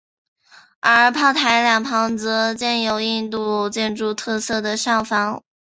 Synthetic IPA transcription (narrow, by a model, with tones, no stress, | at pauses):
ə˧˥˧pʰɑ˥˩ʊt̪ʰa˧˥ɪljɑ˨˩ŋpʰɑ˧˥ŋt͡sɤ˧˥t͡ɕjɛ˥˩njo˨˧˩ʊi˥˧nt̪u˥˧t͡ɕjɛ˥˧nʈ͡ʂu˥˧t̪ʰɤ˥˧sɤ˥˩d̪ə˩ʂɑ˥˩ŋfɑ˧˥ŋ